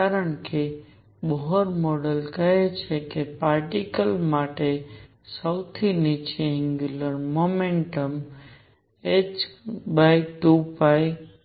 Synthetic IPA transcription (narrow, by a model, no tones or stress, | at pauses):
kaɾəɳke | bɔɦɔɾmɔɖəlkəɦet͡ʃʰekepaɾʈikəlmaʈe | səwt̪ʰinit͡ʃeɛ̃ŋɡjuləɾmomeɳʈəm | et͡ʃbajʈupaj